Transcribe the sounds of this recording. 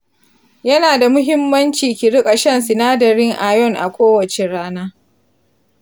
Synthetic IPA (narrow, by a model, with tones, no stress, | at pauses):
jɐ˦naː˨da˨mʊ˦ɦɪ˦mːɐ˦nt͡ʃiː˨kʲi˨ɽʊ˦kʼa˨ʃɐ˦nsɪ˨naː˦dɐ˨ɽɪ˦ŋʔa˨jɔ˦˨ŋʔa̰˨kʷoː˦wɐ˨t͡ʃe˨ɽaː˦naː˦